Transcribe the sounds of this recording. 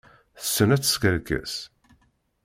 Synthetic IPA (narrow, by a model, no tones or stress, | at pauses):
θəsːənæt͡sːə̥skæɾkə̰s